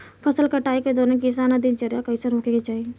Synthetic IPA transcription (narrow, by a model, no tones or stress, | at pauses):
pʰɐsəlkɐʈaːiked̪oːɾẽkɪs̬aːnad̪ɪnt͡ʃəɾjakɐiseɾõːkeket͡ʃaːɦie